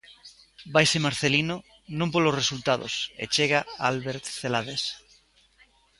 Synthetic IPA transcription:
bajsemaɾθelino | nõmpolosresult̪aðo̰sḛt͡ʃeɣaalβeɾt̪θelaðes

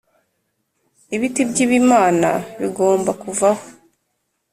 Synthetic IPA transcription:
iβitibɟiβiːmaːna̰βiɡo̞ːmbakuvaho

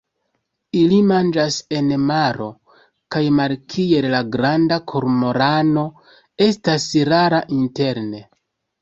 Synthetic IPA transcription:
ilimand͡ʒase̞nmaɾo̞ | kajmalkʰie̞llaɡɾandakʰo̞ɾmo̞ɾano̞ | e̞stasɾaɾaʔinte̞ɾne̞

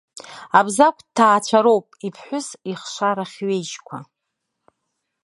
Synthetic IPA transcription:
abzak̚ʷʰʼtʰːaːt͡ʃʷʰaɾo̞wpʼipʰħʷʊsiχʃʷaɾaχʲɥejt͡ʃkʷʰa̰

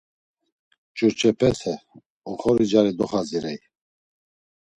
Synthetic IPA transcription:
t͡ʃʼuɾt͡ʃʰʼɛpʰɛt̪ʰɛ | ɔχɔɾid͡ʒaɾid̪ɔχaziɾɛj

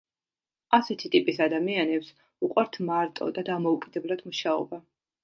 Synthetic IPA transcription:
asɛt̪ʰit̪ʼipʼisad̪amianɛps | uqʼwaɾt̪ʰmaɾt̪ʼɔ̰d̪ad̪amɔukʼid̪ɛblˠad̪̥muʃaɔ̰ba

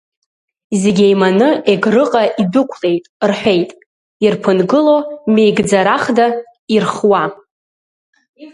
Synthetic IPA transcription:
zeɡʲejmanɨʔeɡrɨqʼaʔibɨkʷʰle̞jtʼrħʷᶣe̞jtʼ | irpʰɨnɡɨlomejɡd͡zaɾaχda | irχwa

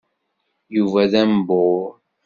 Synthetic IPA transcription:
juvæðæmbo

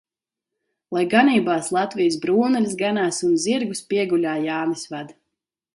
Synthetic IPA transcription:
lˠajɡaniːbaːslˠat̪vijəsbɾuːnɛlʲsɡanaːsunziɾɡuspiɛɡulʲaːjaːnisvad̪

